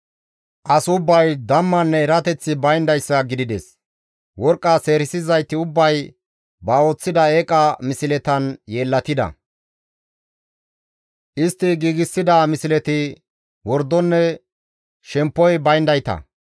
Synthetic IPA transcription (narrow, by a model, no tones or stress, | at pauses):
ʔɐsʊbːɐjd̪ɐmːɐnːɛːɾɐt̪ɛt͡sːɪbɐjnd̪ɐjsːɐɡɪd̪ɪd̪ɛs | wɔɾkʼːɐse̞ːɾɪsɪzɐjt̪ɪʊbːɐj | bɐoːt͡sːɪd̪ɐekʼɐmɪsɪlɛt̪ɐnjeːlːɐt̪ɪd̪ɐ̰ | ʔɪst̪ːɪɡiːɡɪsːɪd̪ɐmɪsɪlɛt̪ɪ | wɔɾd̪ːɔnːɛ | ʃɛmpːɔjbɐjnd̪ɐjt̪ɐ̰